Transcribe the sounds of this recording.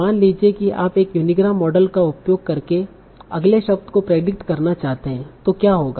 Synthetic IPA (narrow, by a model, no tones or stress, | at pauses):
aːnliːd͡ʒiekiʔa̰ːpeːkjʊnɪɡɾaːmːɔːɖəlkaʊpjoːɡ̚kɐɾke | ɐɡleʃɐb̚t̪kopɾeːɖɪkʈkɐɾnat͡ʃaːɦt̪eɦɛ̃ːt̪okjaːɦoːɡa